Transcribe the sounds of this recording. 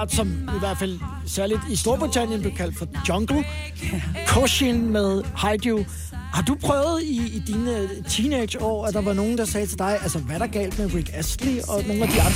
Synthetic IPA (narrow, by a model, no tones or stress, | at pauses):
d̥sɒ̽miʋæɐ̰d̥fæl̰ | sæɐlid̥isd̥o̝ɐb̥ʁit͡sʰæn̰jənd̥e̝kʰæl̰d̥fɒ̽d̥ɒ̽ŋɡ̥l̩ˠ | kʰoɕinmeðˠhɑ̈ɪd̥u | hɑ̈d̥upʰʁœːʊð̩ˠid̥iːnə | t͡sʰiːned̥ɒ̰ːæd̥ɑ̈ʋɑ̈no̝ːn̩d̥ɑ̈sɛːt͡sʰe̝d̥ɑ̈ɪʔælsəʋæɾ̥ɑ̈ɡ̥ɛ̰ːl̰d̥meʁiɡ̥æsd̥liɒ̽no̝ːn̩æd̥iɑ̈nd̥